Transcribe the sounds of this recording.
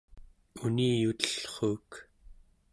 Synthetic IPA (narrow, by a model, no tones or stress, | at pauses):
uniːjut̪ə̥ɬχuːk